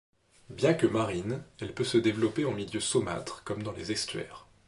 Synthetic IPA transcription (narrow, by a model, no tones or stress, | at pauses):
bjɛ̃kəmaʁinɛlpøsəd̪evlɔpeɑ̃miljøsɔma̰t̪χkɔmd̪ɑ̃lezɛst̪ɥɛ̰ːʁ